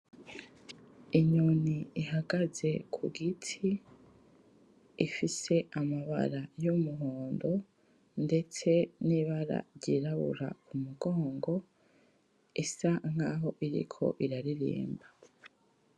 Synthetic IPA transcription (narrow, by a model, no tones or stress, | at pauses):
iɲoniiɦaɡaze̞kʰṵɡitʰi | fise̞amaβa̰ɾajumuɦoːndo̞ | nde̞t͡se̞niβaɾa̰ɾɟiɾaβṵɾa̰kumuɡo̞ːŋɡo̞ | isaŋ̥aɦo̞ʔiɾḭkʰo̞̰ʔiɾaɾiɾḭːmba